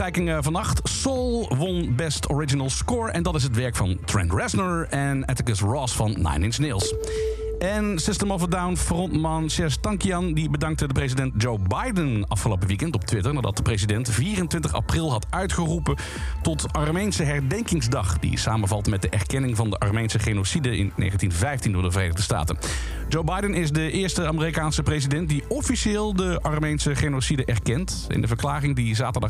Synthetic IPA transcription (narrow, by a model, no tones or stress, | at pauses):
ɛjkɪŋəvɑnɑχtsolˠʋɔnbɛstʰɔɹɪd͡ʒinəlˠskɔːɹɛndɑtɪs̬ɦətʋɛɹkfɑntɹɛ̰ntɹɛsnəɹɛnɛtəkəsɹɔsfɑnːa̰jnɪnsnelˠs | ʔɛnsɪstəmɔvədawnfrɔntmɑnʃɛstɑŋkiɑndibədɑŋk̚tədəprezidɛnt̚d͡ʒowbajdənɑfχəlo̰ʊwp̬əʋikɛntɔp̚tʋɪtəɹnaːdɑ̰t̚dəprezidɛntviːrəntʋɪntəχɑ̰prɪlˠɦɑtœɥtχərupə | tɔtɑɹmejnsəɦɛrdɛŋkɪŋzdɑχd̥ḭsaːmənvɑlˠtmɛt̚dəʔɛ̰ɹkɛnɪŋvɑndəʔɑ̰ɹmejnsəχenosidəɪ̰nːḛjχəntinvɛjftindʊːɹdəvərḛːnəʁdəsta̰ːtə̰n | d͡ʒowbɑjdənɪzdəʔɪːɹstəaːmərikaːnsəprezidɛnt̚diɔfiʃeːlˠdəʔɑɹmejnsəχenosidəʔɛɹkɛnt | ɪ̰ndəvəɹklaːrɪŋdizaːtəɹdɑ